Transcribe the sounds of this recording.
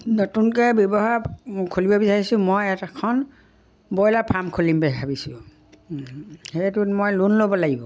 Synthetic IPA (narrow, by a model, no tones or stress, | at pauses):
notunkɛjbjɔbɔɦaɹkʰolibɔbisaɹisʊ̃mojɛtakʰɔn | bɔjlapʰamkʰolimbɛɦabisʊ̃ | hejtutmojlunlobɔlaɡibɔ